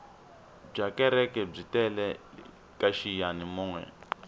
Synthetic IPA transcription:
b͡ʐakɛɾɛkɛb͡ʐitʼɛlɛ | kʼaʃijanimuːŋwɛ̰

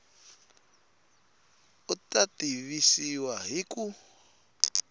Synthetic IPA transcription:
utatiβisiwaɦiku

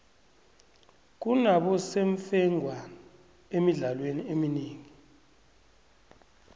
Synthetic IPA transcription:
k̬unaɓɔseɱfɛŋʱwa | emiɮalweniemineːŋi

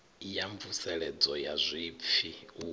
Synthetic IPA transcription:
jaɱb̪vusɛɺɛd͡zɔjazʷip̪fʰiu

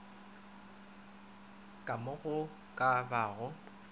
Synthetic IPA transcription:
kʼamʊɣʊ | kʼabaːɣʊ

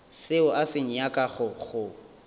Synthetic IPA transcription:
sɪʊʔasɪɲ̩jakʼaɣʊɣʊ

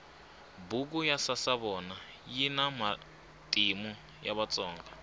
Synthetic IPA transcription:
buk̬ujasasaβɔna | jinama | tʼimu | jaβat͡sʼɔːŋɡa

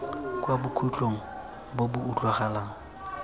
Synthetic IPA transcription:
kʼwabʊkʰut͡ɬʼoŋ̩ | bobʊut͡ɬʼwaχalaːŋ̩

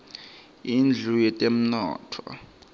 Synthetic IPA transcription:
ind͡ɮʱujɛtʼem̩nɔ̰ːtʰɔ̰

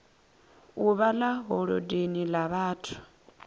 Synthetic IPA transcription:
uβalaɦɔɺɔ̰denilaβaːtʰu̥

